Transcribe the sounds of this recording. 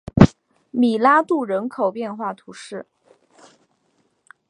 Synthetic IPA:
mi˨˩la˥t̪u˥˩ɻə˧˥nkʰo˨˩ʊpjɛ˥˧nxwa˥˩t̪ʰu˧˥ʂɻ̩˥˩

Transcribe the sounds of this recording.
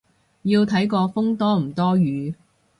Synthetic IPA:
jiː˧wt̪ʰɐ˨˥jkɔː˧fʊ˥ŋt̪ɔː˥m̩˨˩t̪ɔː˥jyː˨˧

